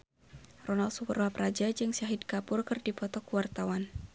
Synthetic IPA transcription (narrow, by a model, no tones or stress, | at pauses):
rɔnalsupərwapɾad͡ʒad͡ʒɨŋsaɦɪd̚kapʊrkɨrdipɔt̪ɔkuwart̪awan